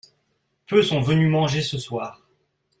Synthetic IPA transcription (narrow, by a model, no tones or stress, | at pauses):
pøsɔ̃vənymɑ̃ʒesəswaːʁ